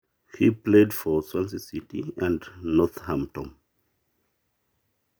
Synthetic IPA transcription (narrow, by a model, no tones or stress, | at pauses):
hipledfɔswãnsisitiæ̃ndnɔθhãmtɔ̃m